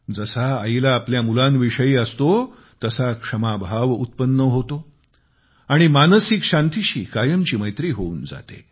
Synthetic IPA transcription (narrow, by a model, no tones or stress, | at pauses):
d͡zəsaailaːpljamulãnʋiʂəiːəst̪o | t̪əsakʂəmabʱaʋṵt̪̚pənːəɦot̪o | aɽ̃imanəsikɕant̪iɕiːkajəmt͡ɕiːməjt̪ɾiːɦouːnd͡za̰t̪ḛ